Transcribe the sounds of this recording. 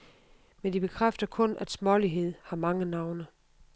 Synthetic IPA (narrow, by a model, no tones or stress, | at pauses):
mend̥ib̥e̝kʰʁafd̥ɐkʰɔ̽næd̥smɒliɦe̝ð̞̰ˠhɑ̈mɑ̈ŋənɑ̈ʊnə